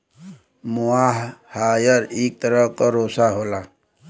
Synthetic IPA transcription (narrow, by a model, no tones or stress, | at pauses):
muaɦhaːjəɾeːk̚t̪əɾəɦkoɾoːsaɦoːlaː